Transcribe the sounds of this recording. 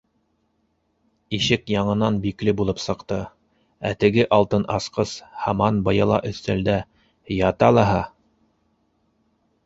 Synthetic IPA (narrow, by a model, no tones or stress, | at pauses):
iʃɘkjɑɴɤ̆nɑnbiklɘbulˠɤpsɤ̆qt̪ɤ | æ̰t̪ɘ̆ɡɘʔɑlˠt̪ɤnʔɑsqɤshɑmɑnbɤ̆jɑlˠɑ̰ʔɵ̆θt̪æld̪æ | jɑt̪ɑlˠɑɦɑ